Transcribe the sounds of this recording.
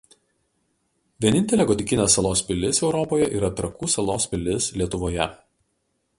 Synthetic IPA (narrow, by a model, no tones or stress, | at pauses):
ʋʲiɛnʲɪnʲt̪ʲɛlʲeːɡɔd̪ʲɪkʲɪnʲeːsːɐlˠoːspʲɪlʲɪsɛʊɾɔpoːjɛʔiːɾɐt̪ɾɐkuːsɐlˠoːspʲɪlʲɪslʲiɛt̪ʊʋoːjɛ